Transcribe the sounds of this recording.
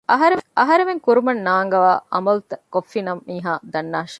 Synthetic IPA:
ʔɐɦɐɾeɐɦɐɾeʋeŋkuɾumɐnːaːŋɡɐʋaːʔɐmɐlut̪ɐkofːinɐmːiːɦaːd̪ɐnːaːʃɐ̥

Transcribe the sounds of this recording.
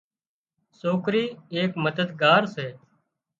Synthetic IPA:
soːkɾiːeːkməd̪əd̪ɡaːɾseː

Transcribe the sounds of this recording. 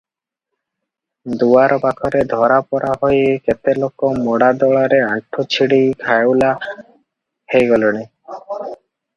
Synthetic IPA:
d̪uaɾɔpakʰɔɾed̪ʱɔɾapɔɾʔaɦojeket̪elokɔmɔɽad̪ɔɭaɾeaʈʰot͡ʃʰiɽijkʰajowla | hejɡɔloñi

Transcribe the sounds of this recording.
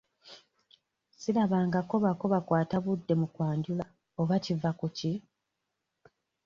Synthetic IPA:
silaβaːŋɡako̞βako̞βakwaːtaβudːe̞mukwaːɲɟula | oβacivakuci

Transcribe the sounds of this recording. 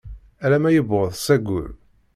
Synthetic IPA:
ælæmæjəbʁəðˤsæɡʷʊ̰l

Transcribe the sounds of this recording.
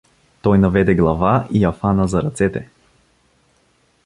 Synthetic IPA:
t̪ɔjnavɛd̪ɛɡlˠavaiafanazaɾat̪sɛt̪ɛ

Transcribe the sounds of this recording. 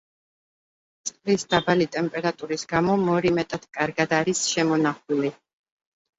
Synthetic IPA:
t̪sʼqʼlisd̪̥abalit̪ʼɛmpʼɛɾat̪ʼuɾisɡamɔmɔɾimɛt̪ʼad̪̥kʼaɾɡad̪aɾisʃɛmɔnaχuli

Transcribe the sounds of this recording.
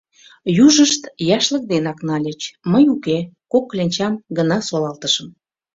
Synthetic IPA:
juʒəʃt̪jɑʃlə̆k̚d̪enɑknɑlʲet͡ɕməjukekokːlʲenʲt͡ɕɑmɡənɑsolɑlt̪əʃəm

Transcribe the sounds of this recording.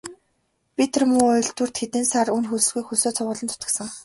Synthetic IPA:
pit̪̆rmʊːʊj̆ɮt̪ŭr̥t̪xet̪ɘ̆nsarunxuɮɵ̆ɮɣujxusoːt͡sʰʊʁʊːɮə̆nt̪ʰʊ̥t̪ə̆sə̆ŋ

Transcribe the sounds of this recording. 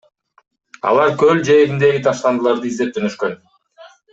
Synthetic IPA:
ɑ̰lˠɑɾkøld͡ʒe̞ɾind̪e̞ɡit̪ʰɑʃlˠɑnd̪ɯlˠɑɾd̪ɯizd̪e̞p̚d͡ʒ̪ʰønøʃkø̞n

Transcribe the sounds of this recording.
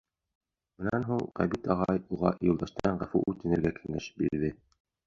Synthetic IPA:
mɘ̆nænɦuɴqæ̰bit̪ɑʁɑjuʁɑ̰ʔjŭlˠd̪ɑʃt̪ɑɑɴʁæfṵʔut̪ːɘ̆nɘ̆ɾɡækʰɘ̆ŋæʃ̚biɾðɘ

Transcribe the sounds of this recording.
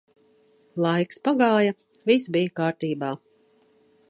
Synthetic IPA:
lˠajkspaɡaːjɐ | visbijakaːɾt̪iːbaː

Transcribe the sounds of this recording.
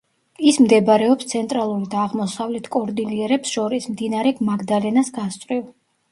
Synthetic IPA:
ismd̪ɛbaɾɛɔpst̪sʰɛnt̪ʼɾalˠuɾid̪aːʁmɔsavlɛt̪ʰkʼɔɾd̪iliɛɾɛpsʃɔɾismd̪inaɾɛɡmaɡd̪alɛnasɡast̪sʼɾiv

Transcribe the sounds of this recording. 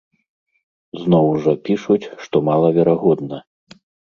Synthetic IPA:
znɔwʐɐpʲiʂut͡sʲʂt̪ɔmalˠɐvʲɛɾaɣɔd̪nɐ

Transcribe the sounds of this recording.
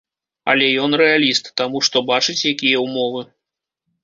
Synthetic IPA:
ɐ̰lʲɛjɔn̪ɾɛalʲist̪ːamuʂt̪ɔbat͡ʂɨt͡sʲjakʲijɐwmɔvɨ

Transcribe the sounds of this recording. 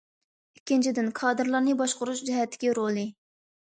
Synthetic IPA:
ikʲːint͡ʃʰid̪ɪnkʰɑːd̪ɨɾlˠɑɾnɨbɑʃqʊɾuʃd͡ʒɛɦɛt̪ʰːɪ̥kʲiɾolˠɨ

